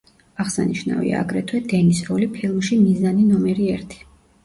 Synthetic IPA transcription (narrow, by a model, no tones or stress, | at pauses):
aʁsa̰niʃna̰vḭa̰aɡɾɛt̪ʰwɛd̪ɛnisɾɔlipʰɛlˠuʃimizaninɔmɛɾiɛɾt̪ʰi̥